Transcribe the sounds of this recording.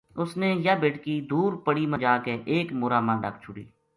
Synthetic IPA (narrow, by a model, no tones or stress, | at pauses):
ʊsneːjəbɪʈkiːd̪uːɾpəɽiːmə̃d͡ʒaːkeʔeːkmʊːɾaːmãːɖə̰k̚t͡ʃʰʊɽḭː